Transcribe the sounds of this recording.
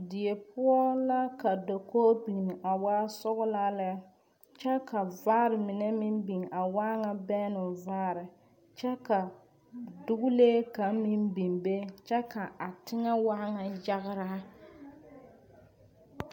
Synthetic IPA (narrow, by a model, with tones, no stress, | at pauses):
di˨e˨pʊ˦ɔ˦la˦ka˨do˨koː˦bi˨nɪ˨ʔa˨waː˦sʊ˦ɣʊ˦la˦lɛ˦ | t͡ʃɛ˦ka˨vaː˦ɾɪ˨mɪ˨nɛ˦mɪ˦mbi˨ŋa˨waː˦ŋa˨bɛ˦nʊ˨vaː˦ɾɪ˨ | t͡ʃɛ˦ka˨ | dʊ˦ɡʊ˦leː˦ka˨˦m˦mɪ˦mbi˨ŋbe˦t͡ʃɛ˦ka˨a˨tɪ˦ŋa˦wa˦ŋa˨ja˦ɣɪ˦ɾa˦